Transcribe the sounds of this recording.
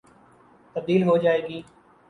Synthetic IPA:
t̪ɐb̚d̪iːlɦod͡ʒaːeːɡiː

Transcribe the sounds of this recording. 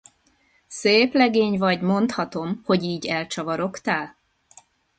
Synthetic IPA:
seːplɛɡeːɲvɒɟmo̞nt̪hɒt̪o̞mho̞ɟiːɟɛlt͡ʃɒvɒɾo̞kt̪aːl

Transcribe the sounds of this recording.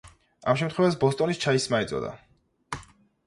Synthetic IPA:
amʃɛmt̪ʰχwɛvasbɔst̪ʼɔnist͡ʃʰaismaɛt̪sʼɔ̰d̪a̰

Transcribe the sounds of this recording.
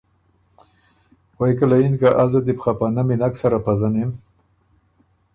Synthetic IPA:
wajk̬alainkaʔazad̪ipxapanaminaksaɾapazanem

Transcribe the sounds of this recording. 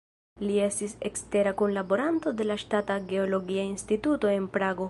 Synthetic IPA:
lie̞stisekste̞ɾakunlabo̞ɾanto̞de̞laʃtataɡe̞olo̞ɡiainstituto̞e̞npɾaɡo̞

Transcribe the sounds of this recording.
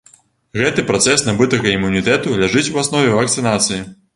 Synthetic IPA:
ɣɛt̪ɨpɾat̪sɛsnɐbɨt̪ɐɣɐimːunʲit̪ɛt̪ulʲaʐɨt͡sʲwasnɔvʲɛvɐk̚t̪sɨnat̪sɨji

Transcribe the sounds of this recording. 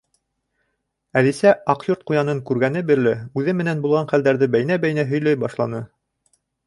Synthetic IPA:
æðisæʔɑqjoɾt̪̚qujɑnɤŋkʉɾɡænɘbɘ̆ɾlɘʉðɘmɘ̆nænbulˠʁɑnχæld̪æɾðɘbæjnæbæjnæɦɵ̆jlæjbɑʃlˠɑnɤ

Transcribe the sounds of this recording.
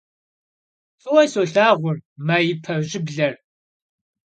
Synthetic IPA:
fʼɨwɐsoɬaːʁʷʊrmaːjɪpʰɐʑɪbɮɐr

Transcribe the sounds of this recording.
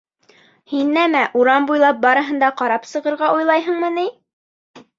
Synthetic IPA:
hinːæmæʔuɾɑmbujlˠɑp̚bɑɾɤ̆ɦɤ̆nd̪ɑqɑɾɑpsɤ̆ʁɤ̆ɾʁɑʔujlˠɑjɦɤ̆ɴmɤni

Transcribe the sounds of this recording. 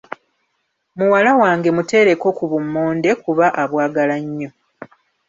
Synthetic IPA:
muwalawaːŋɡe̞mute̞ːɾe̞ko̞kuβumːoːnde̞kuβaʔaβwaːɡalaɲːo̞

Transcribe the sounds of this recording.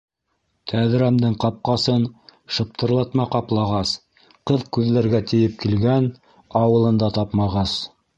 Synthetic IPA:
t̪ʰæðɾæmd̪ɤɴqɑp̚qɑsɤnʃɤ̆p̚t̪ʰɤ̆ɾlˠɑt̪mɑqɑplˠɑʁɑs | qɤðkʉðlæɾɡæt̪ɘ̆jɘp̚kilɡæn | ɑwɤ̆lˠɤ̆nd̪ɑt̪ɑpmɑʁɑs

